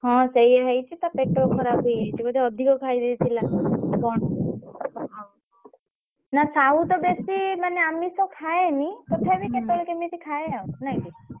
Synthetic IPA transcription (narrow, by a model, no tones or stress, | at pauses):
ɦɔ̃sejeɦejt͡ʃʰit̪apeʈokʰɔɾabejɦejt͡ʃʰikɔd̪ʱeɔd̪ʱikɔkajd̪et̪ʰilakɔɳ | ɦɔ̃ | nasaɦut̪ɔbesimaneamisɔkʰaẽnikɔt̪ʰebiket̪olɔkemit̪ikʰaeaut̪naki